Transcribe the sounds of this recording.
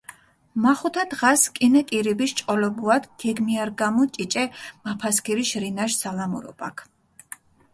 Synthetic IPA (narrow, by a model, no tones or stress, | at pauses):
maχut̪ʰad̪̥ʁaskʼinɛkʼiɾibiʃt͡ʃʼqʼɔlɛbuad̪ɡ̥ɛɡmiaɾɡamɔt͡ʃʼit͡ʃʼɛmapʰaskʰiɾiʃɾinaʃsalamṵɾɔ̰ba̰kʰ